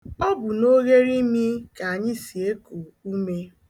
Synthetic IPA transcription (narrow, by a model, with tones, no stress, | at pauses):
ɔ˦bʊ˨no˦ɣe˦ɾi˦mi˦ka˨a˨ɲɪ˦si˨e˦ku˨u˦me˦